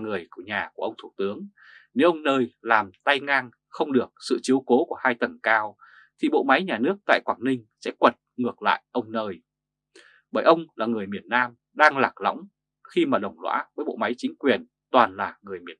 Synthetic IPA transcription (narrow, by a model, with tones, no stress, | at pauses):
ŋɨ˨˩əjku˧˩əɲaː˨˩ku˧˩əə˧wŋ͡mt̪ʰu˧˩t̪ɨ˨˦əŋ | ne˨˦wʔə˧wŋ͡mnəː˧jlaː˨˩mt̪a˧jŋaː˧ŋ | xə˧wŋ͡mɗɨ˨˩ək̚sɨ̰˧˨t͡ɕi˨˦əwko˨˦ku˧˩əhaː˧jt̪ə˨˩ŋkaː˧w | t̪ʰi˨˩ɓo̰˧˨ma˨˦jɲaː˨˩nɨ˦˥ək̚t̪a̰ː˧˨jkwaː˧˩ŋnï˧ŋ̟sɛ̰˧˥kwə˨˩t̚ŋɨ˨˩ək̚la̰ː˧˨jʔə˧wŋ͡mnəː˧j | ɓəː˧˩jʔə˧wŋ͡mlaː˨˩ŋɨ˨˩əjmi˨˩ənːaː˧m | ɗaː˧ŋlaː˨˩k̚la̰˧˥wŋ͡m | xi˧maː˨˩ɗə˨˩wŋ͡mlwa̰ː˧˥vəː˨˦jɓo̰˧˨ma˨˦jt͡ɕï˨˦ŋ̟kwi˨˩ən | t̪waː˨˩nlaː˨˩ŋɨ˨˩əjmi˨˩ə